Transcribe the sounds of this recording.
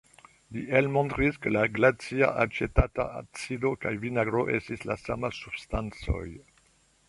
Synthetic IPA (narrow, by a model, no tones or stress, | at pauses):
liʔelmõntɾiskəlaɡlat͡sia̰ʔat͡ʃetata̰a̰t͡sidokajvinaɡɾoʔestisla̰samasub̥stant͡so̰j